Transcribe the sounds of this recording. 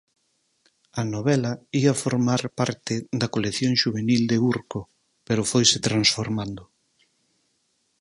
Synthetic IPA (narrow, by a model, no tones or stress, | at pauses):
ɐnoβɛlɐiɐfoɾmaɾpaɾt̪ɪðɐkoleθjoŋʃuβ̞enild̪euɾko | peɾʊfojsɪt̪ɾansfoɾmand̪ʊ